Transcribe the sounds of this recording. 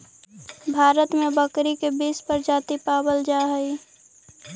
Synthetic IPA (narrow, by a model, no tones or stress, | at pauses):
bʱaːɾət̪mẽbəkɾikebiːspəɾd͡ʒaːt̪ipaːbəld͡ʒaːɦəi